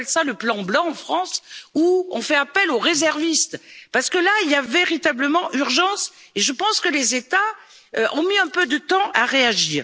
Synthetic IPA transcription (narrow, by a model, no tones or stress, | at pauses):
ɛlsaləplɑ̃blɑ̃ɑ̃fχɑ̃suɔ̃fɛapɛloʁezɛʁvist̪paʁsə̥kəlailjaveʁit̪abləmɑ̃ʔyʁʒɑ̃s | eʒəpɑ̃skəlezet̪a | øʔɔ̃miɛ̃pød̪ət̪ɑ̃ʔaʁeaʒiːʁ